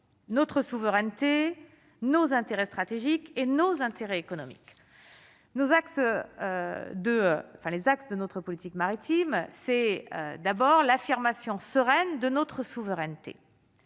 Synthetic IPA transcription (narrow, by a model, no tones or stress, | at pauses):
nɔt̪χəsuvəʁɛnt̪e | nozɛ̃t̪eʁɛst̪χat̪eʒikenozɛ̃t̪eʁɛekɔnɔmḭk | nozaksød̪ə̰ɑ̃fɛ̃lezaksd̪ənɔt̪χəpɔlit̪ikmaʁit̪imsɛø̰d̪abɔʁlafiʁmasjɔ̃səʁɛnd̪ənɔt̪χəsuvəʁɛnt̪ḛ